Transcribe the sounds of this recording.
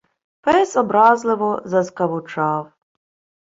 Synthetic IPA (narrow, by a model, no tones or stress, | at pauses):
pɛsɔbɾɑzlˠɪʋɔzɐzkɐʋʊt͡ʃɑw